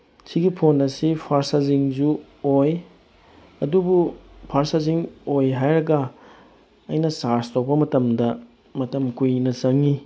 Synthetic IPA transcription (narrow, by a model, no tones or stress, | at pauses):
sʰiɡipʰonɐsipʰaɾsaziŋzu | oj | ɐdubupʰaɾsaziŋojɦajɾɐɡɐ | ɐ̰jnɐsaɾstopɐmɐtɐmdɐ | mɐtɐmkujnɐt͡ʃɐŋi